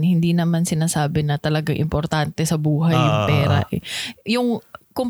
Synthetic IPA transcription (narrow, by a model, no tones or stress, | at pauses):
hɪnd̪iːnɐmansɪnaːsaːbɪnɐt̪ɐlɐɡaŋʔɪ̰mpoɾt̪ant̪ɛsɐbuːɦɐjːʊŋpɛːɾɐ̰ʔɛjʊŋkʊm